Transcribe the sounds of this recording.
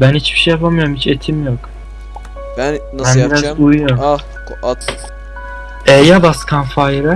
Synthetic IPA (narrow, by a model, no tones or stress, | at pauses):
bænhit͡ʃbi̥ʃejapʰamɯjoɾumhit͡ʃʰet̪ʰimjok | bnænbiɾazujujoɾ | ɛjabaskʰanfajɾɛ